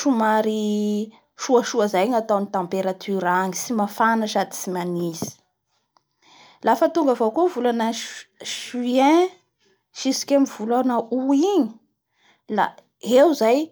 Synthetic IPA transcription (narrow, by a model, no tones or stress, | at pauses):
ʃumaɾi | ʃuaʃuəzajŋat̪awnit̪ãmpeɾat̪ʰyɾaŋisimafanaʃad̪i̥simanizi̥ | lafət̪uŋɡavokovulanəʃyɛ̃ | ʃisi̥kʲamivulanauiɲi̥ | la̰ | ewzaj